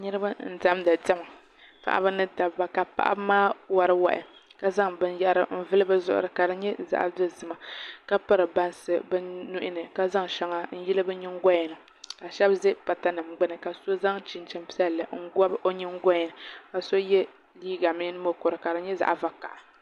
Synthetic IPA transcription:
nɨ˦ɾɨ˦ba˦n̩˨da˦mda˨dɛ˦ma˨ | pa̰˨ʔa̰˦bɨ˦nɨ˦da˨bba˨ka˨pa̰˦ʔa̰˦bmaː˦wa˨ɾɨ˦wa̰˨ʔɪ̰˨ka˨za˦ŋbɨ˦nja˦ʔɾɨ˨m̩˦vɨ˦lɨ˦bɨ˦zʊ̰˦ʔʊ̰˨ɾɨ˨ka˨dɨ˨ɲɛ˦za̰˨ʔa̰˨do˦zɨ˨ma˨ka˦pa˦ɾɨ˨ba˦nsɨ˨bɨ˦nːu˦ʔɪ˦nɨ˨ka˦za˦ŋʃɛ˨˦ŋa˨n̩˦jɛ˦lɨ˦bɨ˦ɲɪ˦ŋ˦ɡɔ˦jɛ˨nɨ˨ | ka˨ʃɛ˦bzɨ˦pa˨ta˦nɨ˨mɡ͡bɨ˦nɨ˨ka˨so˦za˦ŋt͡ʃi˨nt͡ʃɛ˨mpi˦ɛ˦lːɨ˨ŋ̩˦ɡɔ˦bʔo˦ɲɨ˦ŋ˦ɡɔ˦ɲ˨nɨ˨ka˨so˦jɛ˦ | liː˦ɡa˨mi˦nɨ˦mo˦ko˨ɾɨ˨ka˨dɨ˨ɲɛ˦za̰˨ʔva˦ka̰˨ʔa˨

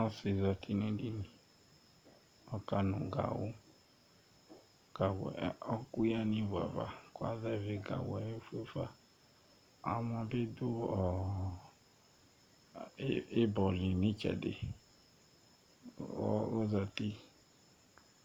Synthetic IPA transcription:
ɔ˦si˨za˨t̪ʰi˦nẽ˦ɖi˦nĩ˨ | ɔ˦ka˦nũ˨ɡa̰˨wo˦ | ɡ̥a˨w̰ɔ˦ku˦ja˦nĩ˦va̰˨va̰˨ko˦a̰˦zɛ˦˨ve˨ɡa̰˨wɛ˨˦je˦fe˦fa˦ | a˨mɔ̃˨be˦d̪o˦ɔ˨˦ | e˦bɔ˨li˨nĩ˦t͡ʃɛ̰˨dḛ˨ | ɔ̰˦o˦za˨t̪i˦

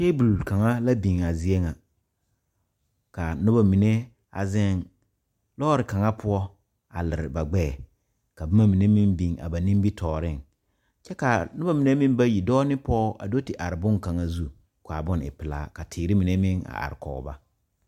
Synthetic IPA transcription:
te˦bu˨lka˨ŋa˦la˦bi˨ŋa˨zi˨e˦ŋa˨ | ka˨nʊ˦ba˨mi˨ne˦ | a̰˨zɪ˦ŋ | lɔː˦ɾɪ˨ka˨ŋa˦pʰʊ˦ɔ˦ | a̰˨lɪ˨ɾɪ˨ba˨ɡ͡bɛː˦˨ | ka˨bʊ˦ma˦mi˨ne˦mɪ˦mbi˨ŋa̰˨ba˨nĩ˦mbi˦tʰɔː˨ɾɪ˦˨ŋ | t͡ʃɛ˦ka˨nʊ˦ba˦˨mi˨ne˦mɪ̃˦m˦ba˦ji˨dɔː˦nɪ˦pɔː˦ʔa̰˨do˦tɪ˨ʔa˨ɾɪ˨bʊ˦ŋka˨ŋa˦zu˦ | ka˨bʊ˦nɪ̰˨pɪ˨la̰ː˦ka˨tʰɪː˨ɾɪ˦mi˨ne˦mɪ˦ŋa̰˨ʔa̰˨ɾɪ˨kɔ̰˨˦ba˦

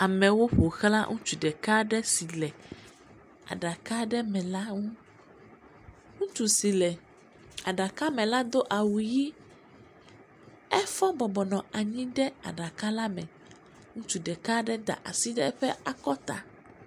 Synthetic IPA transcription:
a˨mɛ̃˨wo˦ɸo˨xla̰˦ŋũ˦t͡ʃu˨ɖɛ˨ka˦ɖɛ˦si˨lɛ˨ | a̰˨ɖa˨ka˦ɖɛ˦mɛ̃˨la˦ŋũ˦ | ŋũ˦t͡ʃu˨si˨lɛ˨ | a˨ɖa˨ka˦mɛ̃˨la˦d̪o˦ʔa˨wu˨ji˦ | ɛ˦fɔ̃˦bɔ˨bɔ˨nɔ̃˨a˨ɲĩ˦ɖɛ˦a̰˨ɖa˨ka˦la˦mɛ̃˨ | ŋũ˦t͡ʃu˨ɖɛ˨ka˦ɖɛ˦d̪a̰˨ʔa̰˨si˦ɖɛ˦ɸɛ˦a˨kɔ˦t̪a̰˨

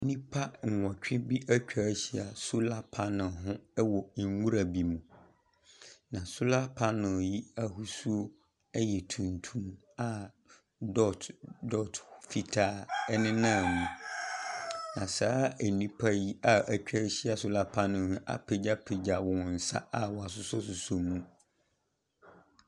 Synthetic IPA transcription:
nĩ˦pʰa˦ŋ̩˨wɔ̃˨t͡ɕᶣɪ̃˦bi˦ʔæ˦t͡ɕᶣa˦ɕi˦a˨sʊ˦la˦pʰa˦nʊ̃˨ɦʊ̃˦wɔ˨ŋ˦ŋu˦ɾa˨bi˨mũ˨ | nã˨sʊ˦la˦pʰa˦nʊ̃˨ji˦a˦hu˨su˦o˦ | ɛ˦jɛ˨tʰũ˨ntʰũ˦m | a˨ | dɔ˦tdɔ˦tfi˦tʰaː˦˨ɛ˦nɪ̃˦nã˦˨mũ˨ | nã˨saː˦æ˨nĩ˦pʰa˦ji˦a˨ʔæ˨t͡ɕᶣa˦ɕi˦a˦sʊ˦la˦pʰã˦nɪ̃˨hʊ̃˦ʔa̰˦pʰe˨d͡ʑa˦pʰe˨d͡ʑa˨wɔ˨n̩˨sa̰˦a˨wɔ˨a˨sʊ˦sɔ˦sʊ˨sɔ˨mũ˦

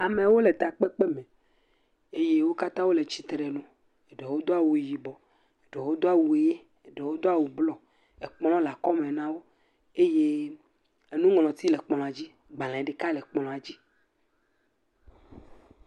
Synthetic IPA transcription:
a˨mẽ˨wo˦le˨t̪a˨k͡pe˦k͡pe˦mẽ˨ | e˦je˦wo˦ka˦t̪ã˦wo˦le˨t͡ɕi˨t̪ɾe˨nõ˨ | e˨ɖe˨wo˦d̪o˦a˦wu˨ji˨bɔ˨ | e˨ɖe˨wo˦d̪o˦a˦wu˨e˨je˦˨ | ɖe˨wo˦d̪o˦a˨wu˨blɔ˨ | e˨k͡plɔ̃˦la˨kɔ˦mẽ˨nã˦wo˦ | e˦je˦ | e˨nũ˦ŋlɔ̃˨t̪i˦le˨k͡plɔ̃˨a˨d͡ʑi˦ | ɡ͡bã˨lẽ˨ɖe˨ka˦le˨k͡pɔ˨lɔ̃˨a˨d͡ʑi˦

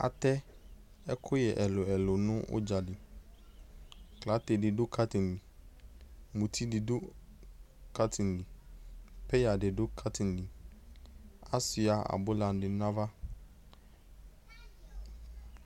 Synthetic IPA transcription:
a̰˨tɛ˦ | ɛ˦kʰʊ˦jɛ˨ʔɛ˨lʊ˨ɛ˨lʊ˨nʊ̃˦ʊ̰˦d͡ʒa˨dɪ˨ | kla˨˦te˨dɪ˨dʊ˦kʰa˦tɪ˨n˨dɪ˨ | mũ˨tʰi˦dɪ˨dʊ˦ | ka˦tʰɪ˨n˨dɪ˨ | pɛ˦ja˨dɪ˨dʊ˦kʰa˦tʰɪ˨n˨dɪ˨ | a̰˦sɪ˨a˨a̰˨bʊ˦la˨n˦dɪ˨nã˦va˦

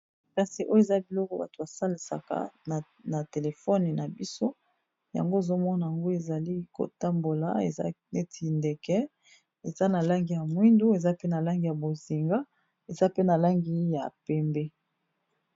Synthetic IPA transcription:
pɛ̃˨se˨ʔo˦jo˦e˨za˦bi˨lɔ˦kɔ˨ba̰˨to˨a˨sa˦li˨sa̰˨ka̰˨n˨ | na˨te˨le˨fɔ˦ni˨na˨bi˦so˦ | ja̰˨ŋɡo˦e˨zo˦mɔ˦na˨ja˨ŋɡo˦e˨za˨li˦ko̰˨ta˦mbo˨la̰˦ḛ˨za̰˦ne˦tʰi˨nde˨kɛ˦ | e˨za˦na˨la˦ŋɡi˨ja˨mwi˦ndu˦e˨za˦pe˦na˨la˦ŋɡi˨ja˨bo˨zi˨ŋɡa˦ | e˨za˦pe˦na˨la˦ŋɡi˦ja˨pɛ˨mbe˦

